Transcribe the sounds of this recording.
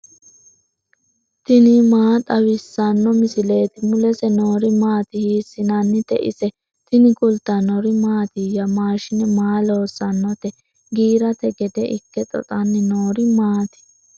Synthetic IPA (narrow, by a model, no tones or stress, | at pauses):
t̪ɪnɪmaːt̪ʼɐwɪsːɐnːɔmɪsɪle̞ːt̪ɪmʊlɛsɛno̞ːɾɪmaːt̪ɪhiːsːɪnɐnːɪt̪ɛʔɪ̰sɛ | t̪ɪnɪkʼʊlt̪ːɐnɔɾɪmaːt̪ɪjɐmaːʃɪnɛmaːlo̞ːsːɐnːɔt̪ɛ | ɡiːɾɐt̪ɛɡɛd̪ɛʔɪkːɛt̪ʼɔ̰t̪ʼɐnːɪnoːɾɪmaːt̪ɪ̥